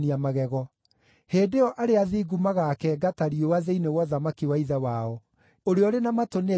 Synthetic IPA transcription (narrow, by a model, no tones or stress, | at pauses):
niamaɣɛɣɔ | heːdeɔʔaɾeaðiɡumaɣakɛɡataɾiowaðeinewɔðamakiwaiðawaɔ | oɾeɔɾenamatone